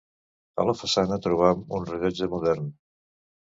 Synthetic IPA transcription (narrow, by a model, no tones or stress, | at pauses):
ə̰ləfəsanət̪ɾuβ̞amunriʎɔd͡ʒəmuðɛrn